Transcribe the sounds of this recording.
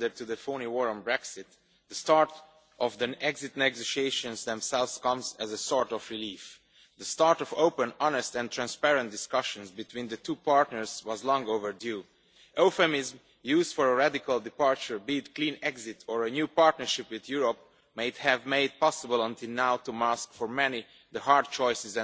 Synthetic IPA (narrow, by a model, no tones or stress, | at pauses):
də˞tuðəfõniwɔɹə̃nbɹɛksɪt̪ | ðəstɑɹt | ʔɔvðiɛɡzɪtnɛɡoʃieʃɨ̃nzðɛ̃msɛlˠvz̥kʌ̃mzæzəsɔɹtɔvɹilif | ðəstɑɹtɔvoʊpə̃nɑnɨstɛ̃nt̪ʰɹæ̃nspɛɹɨ̃nt̚d̥ɪskʌʃɨ̃nzbɨtʰwĩːnðɨtʰuːpaɹtnəɹzwʌzlɔ̃ŋoʊvə˞dju | ʔoʊfəmɪzm | juːzd̥fɔɹəɹædɪkəlˠdɪpɑɹt͡ʃə˞bidkʰlĩːnɛɡzɪtʰəɹɨnjuːpaɹtnə˞ʃɪpwɪðjuɹəp̚ | meɪdhɨvmeɪd̚pɑsəbəl̩ˠə̃ntʰɪlˠnaʊtumæskfɔɹmɛni | ðəhɑɹd̚t͡ʃɔɪsɪz̃